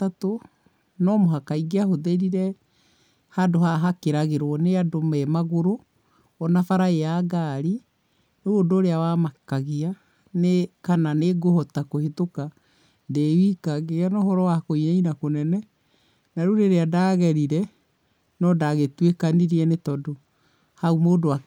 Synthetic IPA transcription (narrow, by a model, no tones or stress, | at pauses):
ato | nɔmoɦakaiɡeahoðeɾiɾɛ | hadohaɦakeɾaɣeɾwɔneadomɛmaɣoɾo | ɔnafaɾaejaːɡaɾi | noɾodoːɾeawamakaɣia | nekananeɡohɔtakohetoka | ndewikaɣeanɔɦɔɾɔwakoiɲainakonɛnɛ | naɾoɾeɾeadaːɣɛɾiɾɛ | nɔdaɣetwekaniɾiɛnetɔdo | haumoːdowa